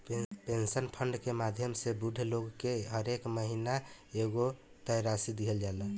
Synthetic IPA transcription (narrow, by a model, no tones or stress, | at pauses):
pensənpʰəɳɖkemad̪ʱjəmsebuɖʱloɡkeɦəɾekməɦinaeɡo | t̪əjɾasid̪iɦəld͡ʒalə